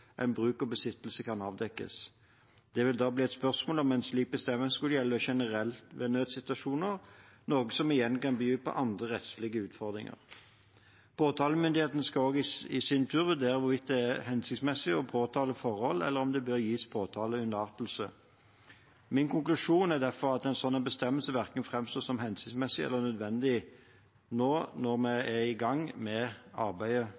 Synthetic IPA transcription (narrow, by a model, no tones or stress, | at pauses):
ʔɛ̰ɪnbʁʉːkɔbəsɪt̪ːlsəkʰɑnɑːʋd̪ɛkːə̰s | d̪̥ɛʋɪld̪ɑːbliːɛt̪spœʁsmoːlɔmɛɪnsliːk̚bəst̪ɛmːəskʉləjɛlːəɔʃɛnəʁɛlt̪ʋeːnøːd̪sɪt̪ʉɑʃuːnəʁ | noːɡəsɔmɪjɛnkɑnbəjyːpʰɔ̰ʔɑnd̪ʁəʁɛt̪slɪɡəʉːt̪fɔʁd̪ʁɪ̰ŋə̰ʁ | pʰoːt̪ʰɑːləmʏnd̪ɪeːt̪n̩skɑoːɡɪsɪnt̪ʰʉːʁʋʉd̪eːɾʁəʋʊɾʋɪt̪̚d̪ɛæhɛnsɪkt̪smɛsːɪɔpʰoːt̪ʰɑːləfɔʁhɔlɛ̰lːəʁɔmd̪ɛbøɾjiːspʰoːt̪ʰɑːləʉnəɑːʁt̪l̩sə | mɪnkʊŋklʉʂuːnæʁd̪æʁfɔʁɑt̪ɛnsɔnɛnbəst̪ɛmːəlsəʋæʁkəŋfʁɛmst̪oːsɔmɦɛnsɪ̥kt̪smɛsːɪɛ̰lːənœd̪ʋɛnd̪ɪ | noːnɔʁmɛɛɪɡɑŋːmɛɑʁbæɪə